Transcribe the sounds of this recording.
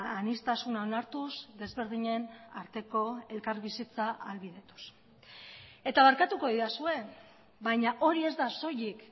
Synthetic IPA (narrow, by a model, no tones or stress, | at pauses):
anist̪asunaonaɾt̪uzd̪e̞zβe̞ɾðiɲe̞naɾt̪e̞ko̞e̞lkaɾβisit͡saalβið̞e̞t̪u̥s | e̞t̪aβaɾkat̪uko̞ðiɾasue̞ | bajɲaʔo̞ɾie̞zd̪aso̞jik